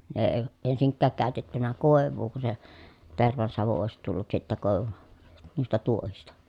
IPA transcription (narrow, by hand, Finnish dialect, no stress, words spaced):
ne eĭ ensiŋkːæːk kæˑøtetːynæ koˑeʋˑuː ku se terʋɑnsɑʋu oˑesit tulːut sitːæ koˑeʋu nuistɑ tuohistɑ